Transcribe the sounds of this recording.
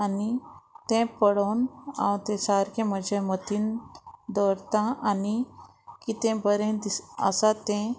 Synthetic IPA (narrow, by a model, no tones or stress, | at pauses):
anit̪ɛ̃pəɽownã̰w̃t̪ɛ̃saɾkẽməd͡ʑʱemət̪iːnd̪ɔɾt̪ãʔani | kit̪ɛ̃bəɾẽd̪isə̰sat̪ɛ̃